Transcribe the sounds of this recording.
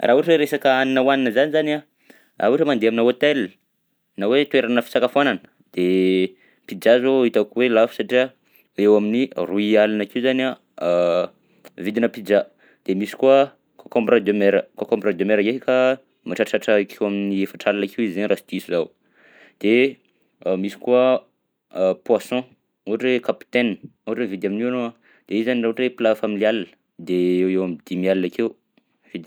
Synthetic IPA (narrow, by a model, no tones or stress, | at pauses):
rʔa̰uʈ͡ʂeɾesakəaninəwaninəzanizana | ʔauʈ͡ʂəmand̪eaminəot̪eli̥ | nawet̪weɾanəfi̥t͡sakafananə̥ | d̪̥e | pid͡ʒazoit̪akwelafu̥saʈ͡ʂia | ewaminiruialinakiuzana | vid̪inəpid͡ʒa | d̪̥emisi̥kuə | kʰokɔmbrad̪omeɾə̰kokɔ̃mbrad̪jomeɾəkeika | maʈ͡ʂaʈ͡ʂaʈ͡ʂakʰewaminiefaʈ͡ʂalanakʰewizzanɾasid̪iisuzaw | d̪̥e | misi̥kua | pwasɔ̃ | uɦaʈ͡ʂekapi̥t̪enauɦaʈ͡ʂevid̪aminiwanoa | d̪̥eizaniɾaʈ͡ʂeplafamilialinə̥ | d̪eewewamid̪̥imialinakew | vid̪i